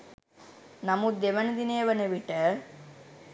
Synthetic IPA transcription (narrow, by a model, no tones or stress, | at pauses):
nɐmud̪eʋɐnɐd̪ineːʋɐnɐʋiʈə